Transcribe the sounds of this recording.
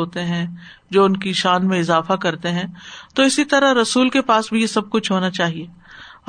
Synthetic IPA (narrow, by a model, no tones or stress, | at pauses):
oːt̪eɦɛ̃ | d͡ʒoːʊnkiʃaːnmẽɪzaːfakɐɾt̪eɦɛ̃t̪oɪsit̪ɐɾaɾɐsuːlkepaːsbʱijesɐb̚kʊt͡ʃʰɦoːnat͡ʃaːɦieː